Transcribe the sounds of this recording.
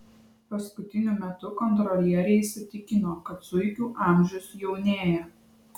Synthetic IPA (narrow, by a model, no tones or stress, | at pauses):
pɐskʊt̪ʲɪnʲʊmʲɛt̪ʊkɔnt̪ɾɔlʲjɛɾʲɛɪsʲɪt̪ʲɪkʲɪnoːkɐt̪sʊɪkʲuːʔɑˑmʲʒʲʊʊsjɛʊnʲeːjɛ